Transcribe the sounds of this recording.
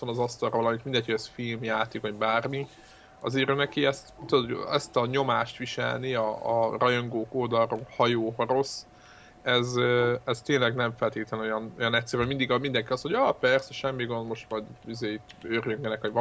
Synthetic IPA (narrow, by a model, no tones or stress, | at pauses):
t̪ɒnɒzɒst̪ɒɾrɒvɒlɒmit̪mind̪ɛchojɛsfilmjaːt̪eːkɔbaːrmi | ɒ̰zeːɾønɛkiɛst̪t̪ːud̪ot̪ɛst̪ɒɲo̞maːʃt̪ʋiʃɛ̰lniɒːrɒjo̞ŋɡoːkoːd̪ɒlrohɒjoːɦɒɾo̞s | ɛzøɛst̪eːnlɛɡnɛɱfɛlt̪eːt̪lɛno̞jɒno̞jɒnɛtsɛɾɛmɛmind̪iɡmind̪ɛŋkiɒsho̞ɟɒpɛrsɛʃɛmːiɡond̪mo̞ʃt̪ʋɒɟizeːit̪ːørjøŋɡɛnɛkʋɒɟʋ